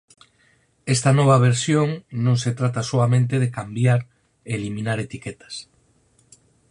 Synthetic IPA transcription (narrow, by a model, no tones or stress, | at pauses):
ɛst̪ɐnɔβ̞ɐβ̞eɾsjoŋnõŋset̪ɾat̪asoamẽnt̪̬eðekambjaɾ | eːlimĩnaɾet̪iket̪ɐ̥s